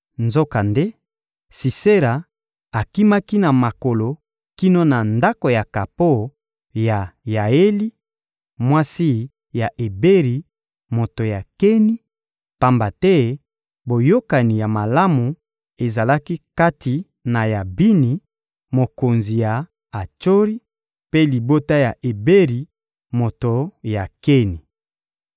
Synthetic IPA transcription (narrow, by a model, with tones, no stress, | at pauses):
nzo˦ka˨nde˦ | si˨se˦ɾa˨ | a˨ki˦ma˦ki˦na˨ma˨ko˨lo˨ | ki˦no˦na˨nda˦ko˨ja˨ka˨po˦˨ | ja˨ja˨e˦li˦ | mwa˦si˦ | ja˨ʔe˨be˦ʁi˨ | mo˨to˨ja˨ke˦ni˦ | pa˦mba˨tɛ˦ | bo˨jo˦ka˨ni˨ja˨ma˨la˦mu˨ | e˨za˨la˦ki˦ka˦tʰi˨ | na˨ja˨bi˦ni˨ | mo˨ko˨nzi˨ja˨ | a˨t͡ʃo˦ʁi˦ | pe˦li˨bo˦ta˦ja˨ʔe˨be˦ʁi˨ | mo˨to˨ja˨ke˦ni˨